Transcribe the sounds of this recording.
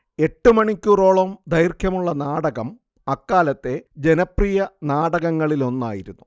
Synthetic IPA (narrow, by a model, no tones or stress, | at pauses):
e̞ʈːumɐɳikʲːuroːɭɐmd̪ɐjrkʰjɐmuɭːɐnaːɽɐɣɐm | ɐkːaːlɐt̪ːe̞d͡ʑe̞nɐprijɐnaːɽɐɣɐŋːɐɭilo̞nːa̰ːjiɾunːu